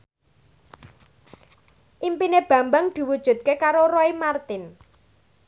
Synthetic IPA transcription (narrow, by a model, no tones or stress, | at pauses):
ʔimpineb̥ä̤mbaŋd̪̥i̤wud̥ʒ̥ṳt̪̚kekaɾoɾɔimart̪ɪn